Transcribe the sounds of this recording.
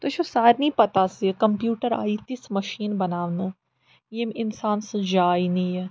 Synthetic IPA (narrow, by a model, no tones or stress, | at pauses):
t̪ot͡ʃʰosaːɾnĩːpɐt̪asikɐmpjuːʈəɾa̰ːiːt̪ɪsmɐʃiːnbɐnaːʋnə | jemɪnsaːnsɨ̃d͡ʒaːinĩɛ